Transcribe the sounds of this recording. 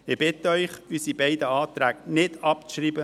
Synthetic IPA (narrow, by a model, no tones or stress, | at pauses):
ɪb̥ɪt̪əœʏχysibɛɪd̪əɑːt̪ɾæːɡ̥nɪd̪̥ɑp̚t͡sʃɾiːbə